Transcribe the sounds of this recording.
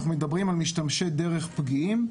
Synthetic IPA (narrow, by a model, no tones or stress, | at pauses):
χnumed̪abʁimalmiʃtamʃed̪eʁeχpɡiim